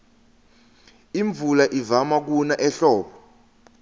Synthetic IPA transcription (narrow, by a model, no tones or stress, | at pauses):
iɱvʱulaʔivamak̬unaʔɛɬɔːɓɔ